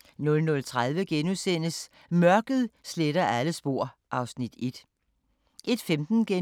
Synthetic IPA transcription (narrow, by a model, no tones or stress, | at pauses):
nɔ̽lnɔ̽lt͡sʰʁað̞ˠʋəɡ̥enusen̰əs | mɶɐɡ̥ð̞ˠsled̥ɐʔæləsb̥o̝ɐ̰ʔɑ̈ʊsnid̥e̝d̥ | ʔe̝d̥femd̥n̩ɡ̥e